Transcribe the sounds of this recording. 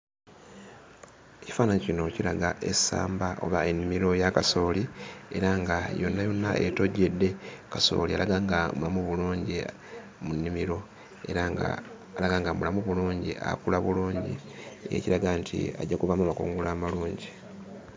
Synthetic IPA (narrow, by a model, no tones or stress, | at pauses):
eci̥faːnaɲecino̞ciɾaɡaʔe̞sa̰ːmbao̞̰βae̞nːimiɾo̞jakaso̞ːlie̞̰ɾaŋɡajo̞nːajo̞nːa̰ʔḛto̞ɟːe̞dːe̞kaso̞̰ːlialaɡaːŋɡamulamuβuluːɲɟi | munːimiɾo̞ | ḛɾa̰ː | laɡaːŋɡamulamuβuluːɲɟḭʔa̰kulaβuluːɲɟḭḛciɾaɡantʰḭa̰ɟːakuβamuamakṵːŋɡulaːmaluːɲɟi